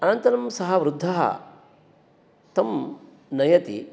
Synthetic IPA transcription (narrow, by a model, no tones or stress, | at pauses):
ɐnɐnt̪ɐnɐmsɐɦɐʋɾud̪ʱːɐɦɐ̰ | t̪ɐm | nɐjɐt̪ḭ